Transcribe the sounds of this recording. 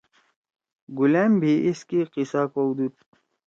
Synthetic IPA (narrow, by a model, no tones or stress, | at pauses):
ɡuleːmbʱiʔiskiqisaːkoud̪uːt̪̚